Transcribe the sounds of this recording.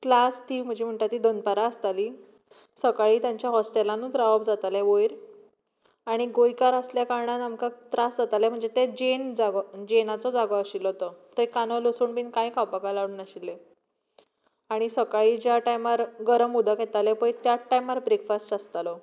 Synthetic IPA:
klast̪iːm̤əd͡ʑʱiːm̤əɳʈ̪at̪ːiːd̪onpaɾaəst̪aliː | səkaɭiːt̪jãɲt͡ɕjaɦɔsʈelãnuːt̪ɾaʋəbd͡zat̪aleʋojɾ | aɽ̃iɡojkaɾəsljakaɾɳat̪amkat̪ɾasd͡zat̪alem̤əɳd͡zet̪ed͡ʑend͡zaɡɔd͡ʑenat͡sɔd͡zaɡɔəɕilɦot̪ɔt̪əjkanɔlosuːnpinkajkapakalaunəɕilːe | aɽ̃isəkaɭiːd͡ʑjaʈajmaɾɡəɾəmud̪ʱakɦet̪alepəjt̪jaʈːajmaɾbɾekfasʈast̪alɔ

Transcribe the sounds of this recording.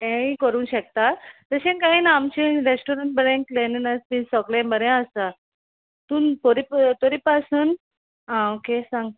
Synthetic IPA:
ẽĩkəɾũːnɕək̚t̪at̪t̪əɕẽnkaɦiːnaamt͡ɕẽɾesʈoɾəɳʈ̚bəɾẽkleninəst̪ĩsɔklẽbəɾẽəst̪a | t̪unpoɾipt̪oɾipasuːn | ɦãokesãŋɡ

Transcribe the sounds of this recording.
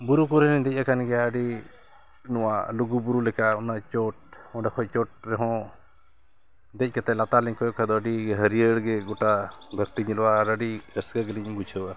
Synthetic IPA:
buɾukuɾɛnɛɲd̪ɛc̚akanɡɛjaəɖi | nɔwa̰luɡubuɾulɛkaɔnat͡ʃɔʈ̚ | ɔ̃ɖɛkʰɔjt͡ʃɔʈ̚ɾɛɦɔ̃ | d̪ɛc̚ˀkat̪ɛlat̪alɛɲkɔjɔkʰad̪ɔəɖiɦəɾijəɽɡɛɡɔʈab̪ʱəɾt̪iɲilwaɾəɖiɾəsɡəɡəliɲbut͡ʃʰəwa

